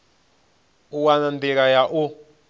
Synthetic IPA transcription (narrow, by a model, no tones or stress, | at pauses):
uwanand̪ikajaʔu